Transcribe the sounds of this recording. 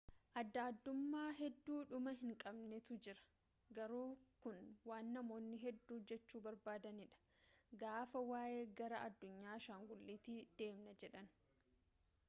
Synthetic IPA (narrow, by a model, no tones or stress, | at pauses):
ʔɐd̪ːaːd̪ːʊmːaːɦɛd̪ːuːᶑʊmɐɦɪŋkʼɐbnɛt̪ʊd͡ʒɪɾɐ̥ | ɡɐɾuːkʊnwaːnːɐmo̞ːnːɪɦɛd̪ːuːd͡ʒɛt͡ʃːuːbɐɾbaːd̪ɐnɪᶑɐ̥ | ɡaːfɐwaːʔe̞ːɡɐɾɐʔɐd̪ːʊɲːaːʃaːŋɡʊlːiːt̪ɪd̪̥e̞ːmnɐd͡ʒɛᶑɐn